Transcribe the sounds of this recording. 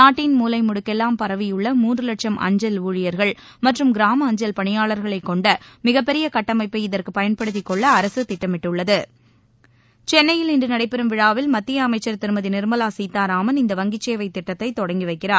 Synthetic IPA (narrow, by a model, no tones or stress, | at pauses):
naːʈːiːnmuːlɐɪmʊɽɯkːɛlːaːmpɐɾɐʋɪjɯɭːɐmuːndrɯlɐʈʂɐmʔɐ̰ɲd͡ʒɐluːɻɪjɐɾɣɐɭ | mɐʈrɯmɡɪɾaːmɐːɲd͡ʒɐlpɐɳɪjaːɭɐɾɣɐɭɐɪkːɔɳɖɐmɪɣɐpːɛɾɪjɐkɐʈːɐmɐɪpːɐɪɪðɐrkɯpɐjɐnpɐɽɯt̪̬ːɪkːɔɭːɐːɾɐsɯt̪ɪʈːɐmɪʈːɯɭːɐðɯ | t͡ʃɛnːɐjɪlɪndɯnɐɽɐɪpːɛɾɯmʋɪɻaːʋɪlmɐt̪ːɪjɐːmɐɪt͡ʃːɐɾt̪ɪɾɯmɐðinɪɾmɐlaːsiːt̪ːaːɾaːmɐnɪnd̪ɐʋɐŋɡɪt͡ʃːeːʋɐɪt̪ːɪʈːɐt̪ːɐɪt̪ːɔɽɐŋɡiʋɐɪkːɪraːɾ